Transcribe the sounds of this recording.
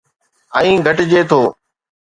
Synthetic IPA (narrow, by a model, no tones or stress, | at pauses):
aːĩːɡʱəʈd͡ʑeːt̪ʰoː